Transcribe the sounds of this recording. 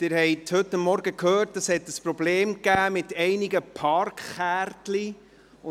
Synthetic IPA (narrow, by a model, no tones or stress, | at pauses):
tɪɾhɛɪthɵtːɑmːɔɾɡəkʰhøːɾtəshɛtːəspɾɔbleːmkæːmɪtɛɪniɡəpʰɑɾkχæːɾtli